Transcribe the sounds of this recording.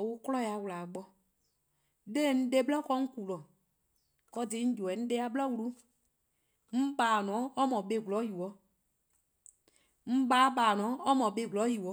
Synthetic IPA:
wʊ˦klɔ˦ja˨wla˨ɡ͡bɔ˧ | de˦˨n̩˦de˦blɔ˦kɔ˦ŋ̩˦ku˨lɔ˨ | kɔ˧dɪ˨˦n̩˦d͡ʒu˨ɛ˨n̩˦de˦a˦˨blɔ˦wlu˦ | m̩˦baː˨nɔ̃˨˦ɔ˦mɔ̃˨be˨ɡlɔ˨˦ji˨wɔ˨˦ | m̩˦ba˨˦baː˨nɔ̃˨˦ɔ˦mɔ̃˨be˨ɡlɔ˨˦ji˨wɔ˨˦

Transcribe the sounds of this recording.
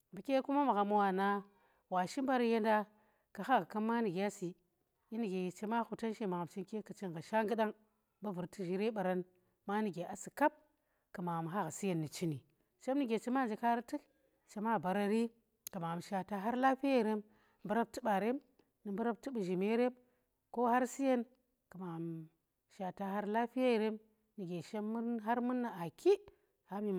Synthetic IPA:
bi˨kʲe˦ku˦ma˦ma˨ɣa˨m˦wa˨na˦ | wa˨ʃi˦m˦ba˦ɾa˦je˦nda˦ | ka˨xa˦ɣka˦mːa˦ni˨ɡe˨a˦si˨ | ji˦ni˨ɡe˨ji˨t͡ʃe˦ma˦xu˨ta˦nʃe˦ma˨ɣa˨mt͡ʃi˦nke˦ka˨t͡ʃi˦ŋ˨ɣa˨ʃa˦ŋɡɨ˦ɗa˦ŋ | ba˦vu˨ɾti˦ʒi˨ɾe˦ɓa˨ɾa˦n | ma˦ni˨ɡe˨a˨si˨ka˦p̚ | ka˨ma˨a˨m˨ɦa˦ɣa˨si˦je˨nːi˨t͡ʃi˦ni˨ | t͡ʃe˦m˦ni˦ɡʲe˨t͡ʃi˦ma˦˨nd͡ʒe˨ka˦ɾa˦ti˦k | t͡ʃe˨ma˦˨ba˨ɾa˦ɾi˦ | ka˨ma˨m˨ʃa˨ta˦ɦa˦ɾla˦ɸi˦e˦˨ɾe˦m | bu˦ɾa˦b̚tɨ˦ɓa˨ɾe˦m | nɨ˨bu˦ɾa˦b̚tɨ˦bu˨ʒi˨me˦ɾe˦m | ko˦ha˦ɾsi˦je˦n | ka˨ma˨m | ʃa˨ta˨ɦa˦ɾla˦ɸi˦je˦˨ɾe˦m | ni˨ɡe˨ʃe˦mː˦ɦa˦ɾmu˦nːa˨a˨ki˦ | ha˦mi˨

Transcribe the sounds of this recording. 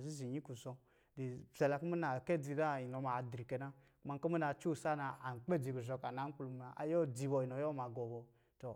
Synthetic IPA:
zi˦zi˨ɲi˦ku˨zɔ˧ | de˨zɛ˨la˧ko˦me˦na˨kɛ˦d͡zi˧da˦˨i˨nɔ˨˧˦ma˨dɾi˨kɛ˧na˦ | ku˦ma˧ko˦mu˦na˧t͡ʃu˦˨sa˦na˧a˨n̩˨k͡pɛ˦˨d͡zi˧˨ku˨zɔ˨˧ka˨na˨˦ŋ̩˦k͡plu˧˨ma˨ʔa̰˨jɔ˦d͡zi˧bɔ˧i˨nɔ˨jɔ˦ma˨ɡɔ˨bɔ˧ | tɔ˨

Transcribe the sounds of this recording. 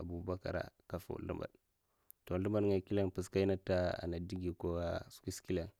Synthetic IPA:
a˨bu˨ba˦ka̰˨ɾa̰˨ka˨fo̰˨lṵ˦mba̰˨d | to˨lu˦ma˨dŋa˨ki˦la˦npi˨ska˦i˦na˦ta˦a̰˨na˨di˦ɡi˨ko˦a˦ski˦ski˦la˨n

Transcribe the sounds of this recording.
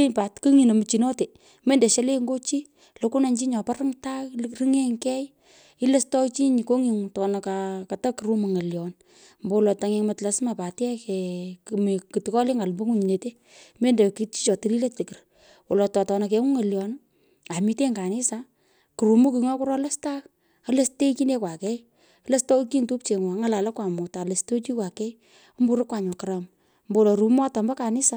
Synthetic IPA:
ipa˨tkɨ˦ŋi˨no˨mɨ˨t͡ʃi˨nɔ˦te˨ | me˦nde˨ʃe˦le˦ŋɡo˦t͡ʃi˦ | loku˦na˨ɲt͡ʃi˦ɲɔ˨pa˦rɨ˦ŋta˦lri˦ŋe˦ŋkɛ˦j | i˦le˦stɔ˦t͡ʃi˦ɲi˨ko˦ŋi˨ŋ˨tɔ˨na˨kaka˨ta˦ki˨ɾu˦mu˨ŋɐ˨ljɔ˨n | mbo˨wlɔ˨ta˨ŋe˨ŋma˨tla˨sma˨pa˨tjɛ˦kɛ˨m˨ki˨tkɔ˦le˦ŋa˨lmbo˦ŋu˦ɲi˨ne˨te˦ | me˦nde˨ki˦t͡ʃi̥˦t͡ʃɔ˨ti˦li˦le˦tte˨kɪ˨r | wɔ˨lɔ˨tɔ˨tɔ˨na˨k̬e˨ŋu˦ŋa˨ljɔ˨n | a˨mi˦te˦ŋka˨nɪ˦sa | ku˨ɾu˨mu˦k̬i˨ŋɔ˦ku˦ɾɔ˦la˦sta˦k | a˦le˦ste˦ki˦ne˦kwa˨kɛ˦i | le˦stɔ˦k̬i˦ntu˦p̚t͡ʃe˨ŋwa˨ŋa˨la˨la˦kwa˨mʊ˨ta˨le˨sto˦t͡ʃi˦kwa˨kɛ˦i | o˦mbu˨ɾɪ˦kwa˨ɲɔ˨ka˨ɾa˨m | mbo˦lɔ˨ɾu˨mɔ˦ta˨mbɐ˦ka˨nɪ˦sa

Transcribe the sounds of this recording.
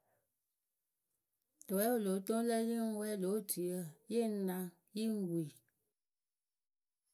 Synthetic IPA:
to˨wɛ˦wo˦˨lo˨˦tõ˦lə˦ji˦ŋ̩˦wɛ˦lo˨˦tʰi˨ə˦˨je˦˨˦nã˧ | ji˦ŋ̩˦wi˨

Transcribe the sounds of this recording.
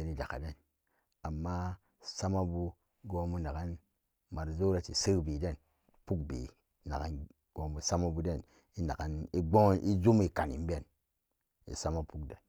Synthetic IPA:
e˨ni˨d͡ʒa˨ka̰˨de˦˨n | a˨mːa˦ | sa˦ma˦bu˦ | ɡo˨mu˦na˨ɡa˦n | ma˨ɾzo˦ɾa˨t͡ʃi˨sə˦kbi˨de˦˨n | pu˦k̚bḭ˨ | na̰˨ka̰˦n | ɡ̥o˨mbu˨sa˦ma˦bu˦de˦˨n | i˦na˨ka˦ni˦ɡ͡bo˦ŋ˦i˦d͡ʒu˦m˦i˨ka˨nḭ˨m˦be˦˨n | ḭ˨sa˦ma˦pu˦kde˦˨n

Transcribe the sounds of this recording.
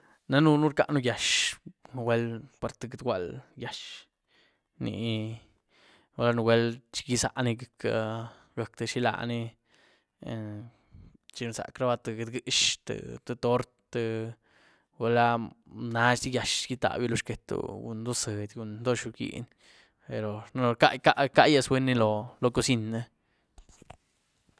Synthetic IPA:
na˦nu˧nu˦ɾka˧ʔnu˧ja˨ʃn˨˧we˦lpa˨ɾt̪ɨ˧ɡɨ˧d̪ɡʷwʷa˧lja˨ʃ | nḭ˧˨ | wa˧˦la˧nu˧we˦lt͡ʃi̥˧ɡi˦sa̰˧ʔni˧ɡa˨kʰa˧ | ɡa˨k̚t̪ɨ˧ʃi˦la̰˧˨ni˦˧ | t͡ʃi˧n˧sa̰˨kɾa˦ba˧t̪ɨ˧ɡe˧d̪ɡɨ˧˦ʃt̪ɨ̰˨t̪ɨ˧t̪o˦ɾt̪ːɨ˧ | we˧la˦na˦ʃd̪i˦ja˨ʃɡi˧t̪a̰˨bji˧lo˧ʃke˨t̪ṵ˨ɡṵ˧nd̪o˦se˨d̪ʲɡu˧nd̪o˦ʃu˧ɡḭ˧n | pe˨ɾo˨n˦˧ka̰˦ʔjka˦ʔka˦˧je˧sbwe˦nːi˧lo˧lo˧ko˧si˦nːe˦

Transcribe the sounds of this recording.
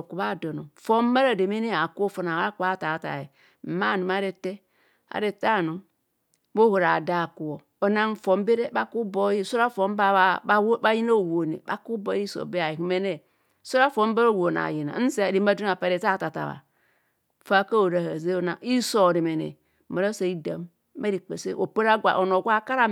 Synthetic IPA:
ku˨ba˦˨do˨no˨fo˦m˦ba˦ɾa˨de˨me˦ne˦a˨ko˦fu˦na˨wa˦ku˦a˦˨ta˨ta̰˨je˨ | ma˦˨nu˨ma˦ɾe˦te˦ | a̰˨ɾe˨ta˦˨nu˨ | bo˦ho˨ɾa˨da˨ku˨o˨ | o˨na˦n˦fo˨m˦be˦ɾe˦ba˦ku˦bo˦i˦so˦ɾa˦fo˦m˦bba˦ji˦no˦˨wo˨nḛ˨ba˦ku˦bo˦i˦so̰˨be˦a˨ji˨ku˨˦me˦ne˦˨ | so˦ɾa˦fo˦m˦ba˦ɾo˦˨wo˨na̰˨ji˨na̰˨˦n̩˦si˦a˨ɾi˨˦a˦du˦n˦a˨pa˨ɾe˨ta˦˨ta˨ta̰˨βa̰˨ | fa˦ka˦o˨ɾa˨ha˨ze˦o˦na˨i˦so˨ɾi˨me˨nḛ˨˦ | ma˨ɾa˦sa˨i˦da˨m˦ | me˦ɾi˨k͡pe˨sḛ˦ʔo˨pe˦ɾa˦ɡʷa̰˨ʔo˨no˨ɡʷa˦ka˦ɾa˦

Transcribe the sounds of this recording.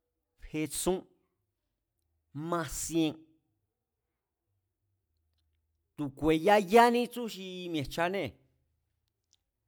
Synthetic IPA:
phe˧t͡sũ˦ | mã˧sĩ˧ẽ˧ | t̪u˨kʷe˨ja˦ja˦nĩ˦t͡sũ˦ʃi˧mj̃ẽ˨t͡ʃa˧nẽ˦˨

